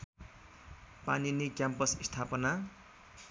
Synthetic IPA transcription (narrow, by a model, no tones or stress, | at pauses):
pa̰ninikjampʌsst̪ʰapʌna